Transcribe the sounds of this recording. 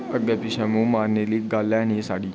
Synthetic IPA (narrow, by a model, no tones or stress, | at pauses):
əɡdapiɕamumaɾneliːɡalːjanisaɽiː